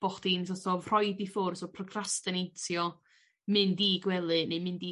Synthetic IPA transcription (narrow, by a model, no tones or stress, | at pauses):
b̥ɔχdinsɔsɔvr̥ɔjdifʊrsɔpʰrɔkʰrastɨnejtʰjɔ | mɨndiːɡwɛlˠɨnemɪndiː